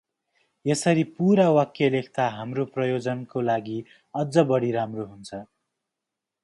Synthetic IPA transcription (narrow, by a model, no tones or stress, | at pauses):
jesʌɾipuɾawʌkjʌlekʰt̪aɦamroprʌjod͡zʌnkolaɡi | ʌd͡zʌbʌɽiɾamroɦunt͡sʰʌ